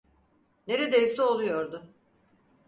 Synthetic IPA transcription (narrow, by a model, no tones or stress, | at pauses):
ne̞ɾed̪ejisio̞lˠujo̞ɾd̪ʊ